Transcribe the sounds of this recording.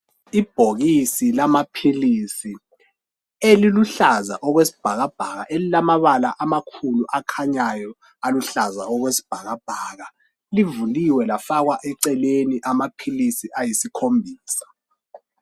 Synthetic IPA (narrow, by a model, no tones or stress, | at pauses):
ib̥ʱoɣisilamapʰilisi | eliluɬazaʔɔɣwesi̥b̥ʱaɣab̥ʱaɣaʔelilamaβalaʔamakʰuluʔakʰaɲajɔ | aluɬaza̰ɔɣwesi̥b̥ʱaɣab̥ʱaɣa | livuliwɛlafaɣwaʔɛǀɛleniʔamapʰilisiajisikʰombʱiːsḁ